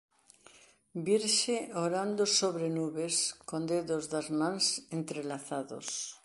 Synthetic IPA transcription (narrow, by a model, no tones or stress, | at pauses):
biɾʃeoɾand̪osoβɾenuβeskond̪eðozðazmãŋsent̪ɾelaθaðo̰s